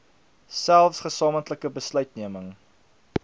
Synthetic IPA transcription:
sælˠfsχəsɑːməntləkəbəslœɥtniəməŋ

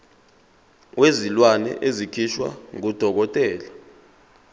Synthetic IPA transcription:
wezilwanɛ̰ʔezikʰiʃwa̰ŋud̥ʱɔk̬ɔtʼɛːla

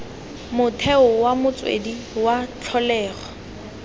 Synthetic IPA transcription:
mʊtʰɛʊwamʊt͡sʼwḛdi | wat͡ɬʰɔlɛːχɔ

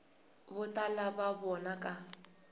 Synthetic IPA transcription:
bʊtʼalababɔnakʼa

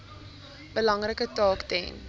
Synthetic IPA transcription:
b̥əlɐŋrəkətɑːktɛjn

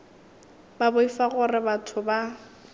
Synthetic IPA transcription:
babʊifaɣʊrɪbatʰʊba

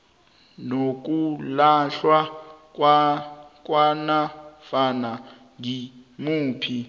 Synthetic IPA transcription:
nok̬ʼulaɬwak̬ʼwak̬ʼwanafana | ŋimuːpʰi

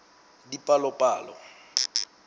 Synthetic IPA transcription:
dipʼalɔpʼaːlɔ̰

